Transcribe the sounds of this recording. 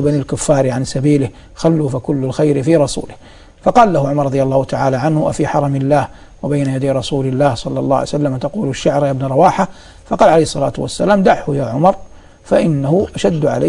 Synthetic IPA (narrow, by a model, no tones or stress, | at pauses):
banalkʊfːaɑːɾʕansabiːlɪh | xalːuːfakʊlːʊlxajɾɪfiːɾˤɑsṵːlɪh | fɑqɑːlːahʊʕʊmɑɾˤɑd̪ˤjalˤːɑːhʊt̪aʕaːlaʕanhʊʔa̰fiːħɑɾˤɑmɪlːaːh | wabajnajad̪ajɾˤɑsuːlɪlːaːhsˤɑlːɑlˤːɑ̰ːjsalːamat̪aquːlaʃːaʕɾˤjabnɾˤɑwaːħa | fɑqɑːlʕaejhsˤːɑla̰ːt̪wasːalaːmd̪aʕhʊjaːʕʊmɑɾˤ | faʔɪnːahʊʔaʃad̪ːʕa̰la